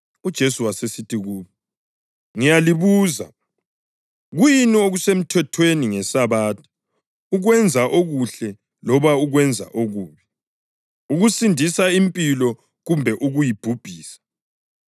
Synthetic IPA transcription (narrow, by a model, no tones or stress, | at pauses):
ud̥ʒ̥ʱesuwasesitʰiɣuːβɔ | ŋijaliβuːza̰ | ɣujinioɣusem̩tʰɛtʰweniŋɛsaβaːtʰɔ̥ | uɣwɛnd͡zʱaʔoɣuɬɛ | lɔβauɣwɛnd͡zʱa̰ʔoɣuːβi | uɣusindʱisaimpʼilɔ | ɣumbʱɛʔuɣujib̥ʱub̥ʱiːsḁ